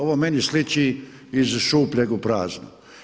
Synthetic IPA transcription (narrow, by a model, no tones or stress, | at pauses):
oʋomenislit͡ʃi | izʃuːpʎʲeɡupɾaːznṵ